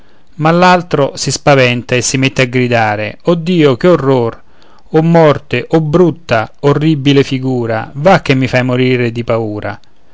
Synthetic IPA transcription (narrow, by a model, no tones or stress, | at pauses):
malːalt̪ɾosispavɛnt̪aesːimet̪ːeaɡɾid̪aːɾɪ̰ɔd̪ːiːokeorːor | ɔmːɔrt̪ɪʔɔbːɾut̪ːaorːibilɪfiɡuːɾa̰vak̟ːemːifajmoɾiːɾed̪ipauːɾa̰